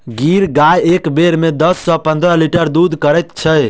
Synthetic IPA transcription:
ɡiɾɡajekbeɾmed̪əsːɔpə̃nd̪ɾəliʈəɾd̪ud̪ʱkəɾɛt̪t͡ʃʰə

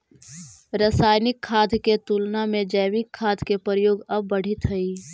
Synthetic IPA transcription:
ɾəsaːjnɪkʰːaːd̪ʱket̪uːlnamẽd͡ʒəɪʋɪkʰːaːd̪ʱkepɾəjoːɡəb̚ːəɽ̤ɪt̪ɦəi

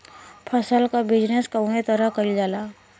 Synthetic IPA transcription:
pʰəsəlkabɪd͡ʒneskaumet̪əɾəɦkəid͡ʒaːlaː

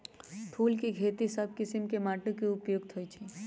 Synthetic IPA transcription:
pʰuːlkiɡʰʱeːt̪isəb̚ʱkɪsimkemaːʈukiʊpjoɡt̪ʰoit͡ʃʰi

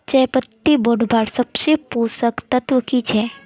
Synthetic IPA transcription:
t͡ʃɐjpət̪ːiboɖbʱaɽsɐbsepusəkt̪ɐt̪ʋəkit͡ʃʰe

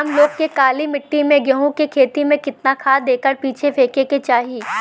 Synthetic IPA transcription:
ɐmloːɡ̚kekaːlimɪʈːimẽɡjɐɦũkekʰeːt̪imẽkɪt̪nakʰaːd̪eːkəɾpiːt͡ʃʰefʰeːkeket͡ʃaːɦiː

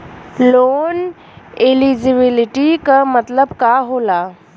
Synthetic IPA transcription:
loːn | ɪlid͡ʒɪbɪlɪʈikamɐt̪ləbkaɦoːlaː

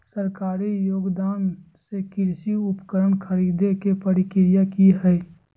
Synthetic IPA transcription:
səɾkaːɾijoːɡd̪aːn | sekɪɾsiʊpkəɾəɳkʰəɾiːd̪ekepəɾɪkɪɾjakiɦɛɛ

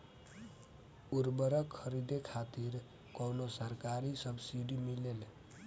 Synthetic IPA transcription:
uɾbəɾəkʰːəɾid̪ekʰat̪iɾ | kownosəɾkaɾisəbsiɖimilel

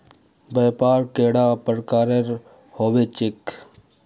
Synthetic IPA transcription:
beːpaːɾkeːɽãːpəɾkaːɾeɾ | hoːʋeːt͡ʃɪk

